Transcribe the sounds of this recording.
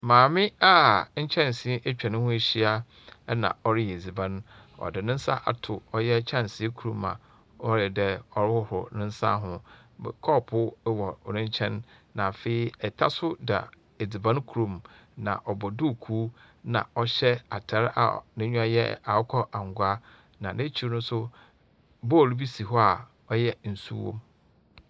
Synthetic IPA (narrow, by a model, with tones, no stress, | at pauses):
mãː˨mɪ̃˦a˦ɲ̩˦t͡ɕʰɛ̃˦n˨si˦ʔe˦t͡ɕᶣa˨nʊ̃˦hʊ̃˦e˨ɕi˦a˦ | nã̰˨ɔ˦ɾɪ˦jɛ˨d͡zi˨bã˦n | ɔ̰˨dɪ˨nɪ̃˦n̩˦sa̰˦ʔa̰˨tʰʊ˨ɔ˦jɛ˦t͡ɕʰã˦˨n˨si˦kʰu˨ɾũ˨mã̰˨ | ɔ˦ɾɪ˨dɛ˦ɔ˨ɾɪ˦hʊ˦hʊ̰˨nɪ̃˦n̩˦sa̰˦ɦʊ̃˦˨ | kʰɔ˦pʰʊ˦wɔ˨ɔ˨nɪ̃˦ɲ˦t͡ɕʰɛ̃˦nː | ã˨fe˦i˦ɛ˨tʰa˦sʊ˦da̰˨ | e˨d͡zɪ˨bã˦n˦kʰu˨ɾõ˨mnã̰˨ʔɔ˨bɔ˨dʊ˦˨kʰuː˦ | nã̰˨ɔ˦ɕɛ˦a˨tʰa˨˦ɾa̰˨nɪ̃˦ɲᶣʊ˦a˦jɛ̰˦a˨ʊ˦kʰɔ˦ʔã˨ŋ˨ɡʷa˦ | nã˨nẽ˦t͡ɕʰi˨˦˨nʊ̃˦n˦sʊ˦ | bɔ˦˨ɾu˦bi˦si˨ɦɔ˦a˨ | ɔ˦jɛ˦n̩˨sṵ˦wõ̰˦m